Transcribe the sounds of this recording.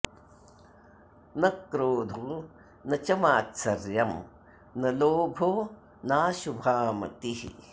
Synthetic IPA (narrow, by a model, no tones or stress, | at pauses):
nɐkɾoːd̪ʱu | nɐt͡ʃɐmaːt̪sɐɾjɐm | nɐloːbʱo | naːʃubʱaːmɐ̰t̪iɦḭ